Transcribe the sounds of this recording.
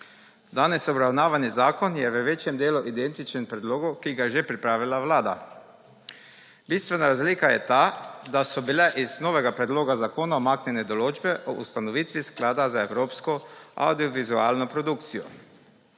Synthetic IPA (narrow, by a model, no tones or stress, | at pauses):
d̪aːnɛsobɾawnaːʋanizaːkonjɛʋəʋeːt͡ʃjɛmd̪eːluʔid̪ɛnt̪it͡ʃɛmpɾɛd̪loːɡukiɡaʒɛpɾipɾaːʋilaʋlaːd̪a̰ | biːst̪ʋɛnaɾazlikajɛt̪aːd̪asɔbilɛʔiznoːʋɛɡapɾɛd̪loːɡazakoːnaomaːknʲɛnɛd̪oloːd͡ʒbɛʔoʔṵst̪anɔʋiːt̪ʋisklaːd̪azaewɾoːpskoa̰wd̪ioʋizuaːlnopɾod̪ukt̪sijɔ̰